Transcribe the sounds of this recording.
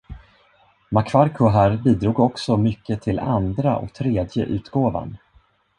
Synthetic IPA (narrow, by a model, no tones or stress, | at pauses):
makʰvaɾkʰʊɦæɾbiːd̪ɾuːɡɔksɔmʏkːət̪ʰɪland̪ɾaʔɔ̰kt̪ʰɾeːd̪jə̰ʔʉ̟ːt̪ɡoːva̰n